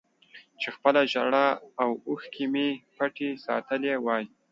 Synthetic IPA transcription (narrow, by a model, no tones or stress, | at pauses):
t͡ʃexpəlaʒaɽaawuxkʰimepaʈesɑ̰t̪əlewɑj